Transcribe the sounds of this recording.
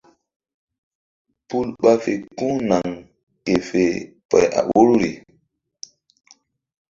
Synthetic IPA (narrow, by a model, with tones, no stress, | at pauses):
pu˦lɓa˦fe˨kũ˦na˨ŋ | ke˨fe˨ | pɛ̰˨ja̰˨wo˦ɾu˦ɾḭ˨